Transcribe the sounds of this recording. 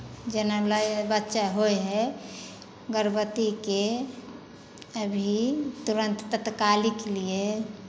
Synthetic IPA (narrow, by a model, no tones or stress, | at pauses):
d͡ʒenalajbətːʃaɦojɦɛ | ɡəɾbət̪ike | əbʱit̪uɾə̃nt̪ːət̪kalikelie